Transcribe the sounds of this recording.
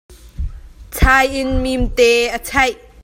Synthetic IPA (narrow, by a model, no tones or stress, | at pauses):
t͡sʰaːjʔɪnmimt̪ɛːʔət͡sʰɐjʔ